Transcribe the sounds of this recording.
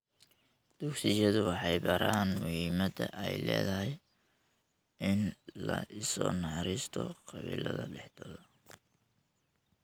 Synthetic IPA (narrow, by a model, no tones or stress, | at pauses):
d̪̥ʊksɪjɐðʊwɑħɑjbɐɾaːnmʊhiːmɐd̪ɐʔɛjlɛːðɐɦɛj | ʔɪnlɐʔɪsɔːnɑħɑɾɪst̪ʰɔqɑβḭːlʔɐðɐɖɛħd̪ɐlɐ